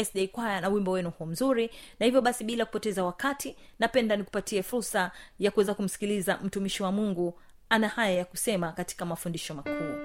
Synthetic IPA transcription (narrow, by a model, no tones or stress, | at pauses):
ɛsɗɛikwajanauwimbɔwɛnuhuɔm̩zuɾinahivjɔɓasiɓilaku̥pɔtɛzawakatʰinapɛndaniku̥patiɛfuɾsajakuwɛzakum̩si̥kilizam̩tumiʃiwamuŋɡu | anahajajakusɛmakati̥kamafundiʃɔmakʰuː